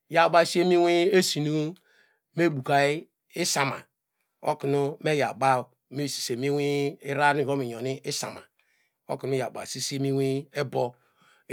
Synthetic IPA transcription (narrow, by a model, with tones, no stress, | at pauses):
ja˨ba˦˨si˦e˦mi˦wi˦e˦si˨nu˦ | me˦˨bu˨ka˨i˦ | i˦sa˨ma̰˨ | o̰˦ki˨nu˦me˦ja̰˨ɡ͡ba˦˨ | me˦˨si̥˨se˨mi˦wi˦i˦ɾa˦ni˦˨o˦mi˨ɲo˨ni˦ʔi˦sa̰˨ma̰˨ | o̰˦ki˨n˦e˦ja̰˨ba̰˨si˦se˦mi˦wi˦e˦bo˦